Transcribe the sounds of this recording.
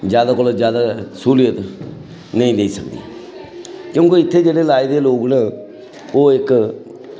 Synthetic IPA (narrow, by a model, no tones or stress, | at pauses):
d͡ʒjaːd̪aːkʊlod͡ʒjaːd̪aːsuːlɪjət̪ | nəĩːleiːsəkd̪ḭː | kjõːkeɪt̪ʰːeːd͡ʒeːɽeːlaːid̪eːloːɡnãː | oːɪk